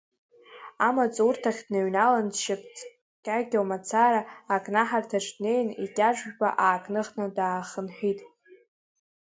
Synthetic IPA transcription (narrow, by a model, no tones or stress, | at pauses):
amat͡sʼurtʰaχʲd̥naɥnalanʃapʰʼt͡sʰʼ | kʲʼaɡʲawmat͡sʰaɾaːkʼnaħartʰaʈ͡ʂʼdne̞jnikʲʼaʒʷᶣba̰ʔaːkʼnɨχnɨdaːχənħʷᶣitʼ